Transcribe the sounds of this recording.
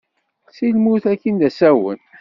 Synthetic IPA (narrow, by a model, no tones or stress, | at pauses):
silmuθækːind̪æsæwə̰n